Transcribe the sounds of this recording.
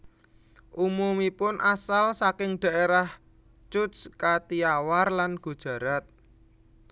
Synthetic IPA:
ʔumumipʊnʔasalsakɪŋd̥a̤ʔeɾah | t͡ʃʊskat̪iawarlanɡ̥ṳd̥ʒ̥ä̤ɾat̪̚

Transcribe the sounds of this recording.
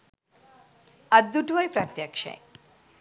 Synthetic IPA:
ad̪d̪uʈʋajpɾat̪ːjakʃḛ

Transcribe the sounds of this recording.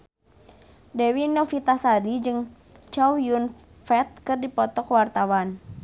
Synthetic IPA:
dɛwinɔfit̪asadid͡ʒɨŋ | t͡ʃawjun | fɛt̪̚kɨrdipɔt̪ɔkwart̪awan

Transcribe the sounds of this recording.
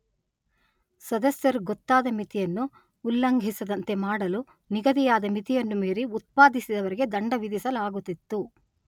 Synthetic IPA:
sɐd̪ɐsjɐɾuɡɔt̪ːaːd̪ɐmit̪ijɐnːuː | lːɐŋɡʱisɐd̪ɐnt̪e̞maːɽɐlu | niɡɐd̪ijaːd̪ɐmit̪ijɐnːumiːɾeut̪̚paːd̪isid̪ɐʋɐɾiɡe̞d̪ɐɳɖɐʋid̪isɐlaːɡut̪ːit̪ːu

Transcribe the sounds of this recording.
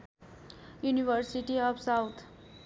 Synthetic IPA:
juniʋəɾsiʈiɔfsawt̪ʰ

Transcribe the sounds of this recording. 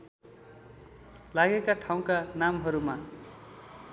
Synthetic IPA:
laɡekaʈʰaw̃kanamɦʌɾuma

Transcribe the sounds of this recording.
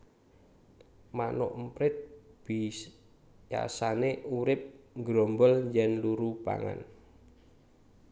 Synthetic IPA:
manɔʔmpɾɪt̪̚b̥i | ja̰saneuɾɪp̚ŋɡɾɔmbɔljɛnluɾupa̰ŋa̰n

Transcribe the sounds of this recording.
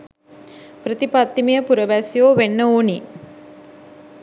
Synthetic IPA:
prət̪ipat̪ːimijəpuɾəʋæsijoːʋenːəoːni

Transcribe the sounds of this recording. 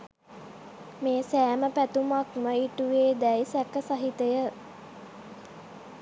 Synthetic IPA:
meːsæːməpæt̪umakməiʈuʋeːd̪ɛjsækəsaɦit̪əjə

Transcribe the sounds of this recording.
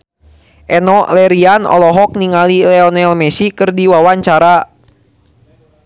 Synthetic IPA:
ʔɛnɔlɛɾianɔ̰lɔɦɔk̚niŋalilɛɔnɛlmɛsikɨrdiwawaɲt͡ʃaɾa

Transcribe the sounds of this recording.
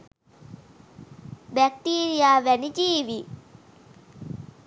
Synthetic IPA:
bɛk̚ʈiːɾijaːʋænid͡ʒiːʋi

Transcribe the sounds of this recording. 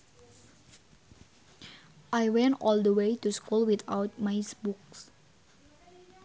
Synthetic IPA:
ʔajwɛ̃ntʔɔld̪əwejt̪uskulwit̪awt̪̚majsbuks

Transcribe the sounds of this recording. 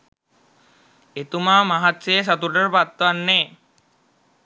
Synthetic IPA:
et̪umaːmaɦat̪ːsejs̬at̪uʈəɾəpat̪ːʋanːeː

